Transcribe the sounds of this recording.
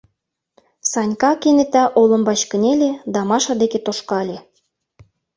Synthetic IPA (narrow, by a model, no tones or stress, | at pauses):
sɑnʲkɑkenet̪æʔolɤ̆mbɑt͡ɕkə̆nʲelʲed̪ɑmɑʃɑd̪eket̪oʃkɑlʲe